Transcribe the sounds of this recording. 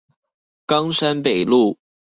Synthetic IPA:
kɑ˥ŋʂa˥npe˨˩ɪlu˥˩

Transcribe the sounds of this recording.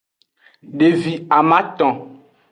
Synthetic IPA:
ɖe˨vi˨a˨mã˦t̪ɔ̃˨

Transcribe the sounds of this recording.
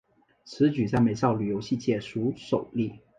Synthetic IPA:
t͡sʰɹ̩˧˥t͡ɕy˨˩t͡sa˥˩ɪme˧˥ɪsɑ˥˩ʊly˨˩jo˧˥ʊɕi˥˧t͡ɕjɛ˥˩ʂu˧˥ʂo˨˩ʊli˥˩

